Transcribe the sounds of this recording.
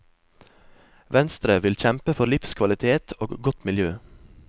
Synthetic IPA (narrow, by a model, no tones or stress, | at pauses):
ʋɛnst̪ɾəʋɪlçɛmpəfɔɾlɪfskʰʋɑlɪt̪ʰeːt̪ʰoːɡɡɔt̪mɪljøː